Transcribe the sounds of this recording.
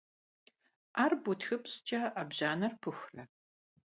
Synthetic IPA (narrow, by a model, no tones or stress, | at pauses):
aːrbutxɨpɕt͡ʃʼɐʔɐbʑaːnɐrpʰɨxrɐ